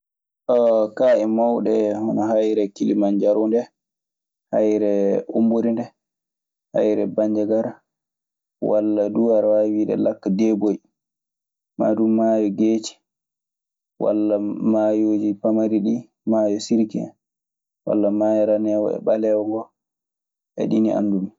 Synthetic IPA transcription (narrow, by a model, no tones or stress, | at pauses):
ʔɔkaʔɛmawɗɛhɔnɔɦajɾɛkilimand͡ʒaɾundɛ | hajɾɛumbuɾindɛ | ha̰jɾɛbaɲd͡ʒaɡaɾa | walːaduaɾawawiːɗɛ̰lakːadɛboj | ma̰dumːajɔɡeːt͡ʃi̥ | wa̰lːamajoːd͡ʒipamaɾiɗi | majɔsiɾkɛ̰ | wa̰lːamajaɾanɛwɔ̰ɛ̰ɓalɛwɡɔ | ʔɛ̰ɗiniʔa̰nːdumi